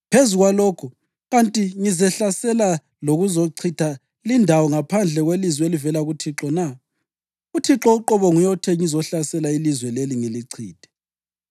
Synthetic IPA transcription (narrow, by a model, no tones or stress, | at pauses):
pʰezuɣwaloːkʰu | ɣantʼiŋizɛɬasɛla | loɣuzoǀʰitʰa | lindʱawɔŋapʰand͡ɮʱɛɣwelizwelivɛlaɣutʰiǁɔna | utʰiǁɔuǁɔβɔŋujɔtʰɛŋizɔɬasɛlailizwɛleliŋiliǀʰḭːd̥ʱɛ̥